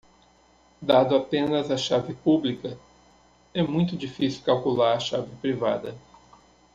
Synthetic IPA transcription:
d̪ad̪ʊapẽnɐzɐʃavɪpublikɐ | ɛmũj̃t̪ʊd͡ʒifisiwkawkulaɾɐʃavɪpɾiva̰d̪ɐ

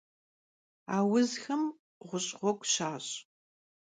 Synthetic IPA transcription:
aːwʊzxɐm | ʁʷʊɕʼʁʷɔkʷʼɕaːɕʼ

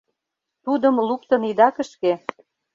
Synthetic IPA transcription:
t̪ud̪əmlukt̪ə̆nid̪ɑkə̆ʃke

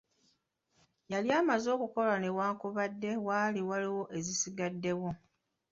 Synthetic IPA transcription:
jaljaːmazo̞ːkuko̞lanewaːŋkuβadːe̞waːliwaliwo̞ʔe̞zisiɡadːe̞wo̞

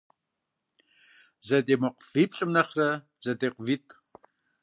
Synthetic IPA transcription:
zɐdeːmɐqʷv̥iːpɬʼɨmnɐχrɐ | z̥ɐdeːqʷviːtʼ

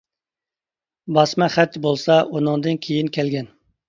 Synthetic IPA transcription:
bɑsmɛχæt̪ʰːɪbolˠsɑunɨŋd̪ɨnkʲʰejinkʲɛlɡʲɛn

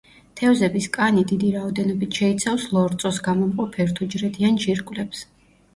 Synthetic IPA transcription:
t̪ʰɛvzɛbiskʼanid̪id̪iɾaɔd̪ɛnɔbit̪ʰʃɛit̪sʰafslˠɔɾt̪sʼɔsɡamɔmqʼɔpʰɛɾt̪ʰud͡ʒɾɛt̪ʰianʒiɾkʼvlɛps

